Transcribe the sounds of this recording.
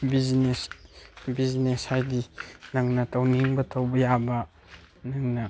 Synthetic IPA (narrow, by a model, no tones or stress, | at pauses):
biznesbizneshajdinɐŋnɐtɐwniŋbɐtʰɐwbɐjabɐ | nɐŋnɐ